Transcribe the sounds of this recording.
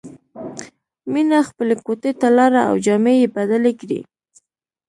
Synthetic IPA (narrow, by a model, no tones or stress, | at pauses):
minaxpəlekot̪et̪alɑɾaa̰wd͡ʒɑmejebad̪alekɾḭ